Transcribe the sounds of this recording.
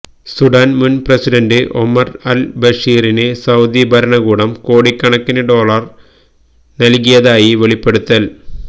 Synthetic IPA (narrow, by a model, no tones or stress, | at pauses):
suɖaːnmunprɐsiɖɐndɨʔo̰mɐrɐlbɐʂiːɾinesɐwd̪ibʱɐɾɐɳɐɣuːɽɐmko̞ːɽikːɐɳɐkːinɐɖo̞ːɭɐr | nɐlk̬ijɐðaːjiʋeɭipːe̞ɽut̪ːɐl